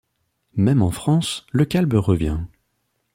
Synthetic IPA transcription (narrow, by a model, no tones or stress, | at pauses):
mɛmɑ̃fχɑ̃sləkʲalbʁəvjɛ̃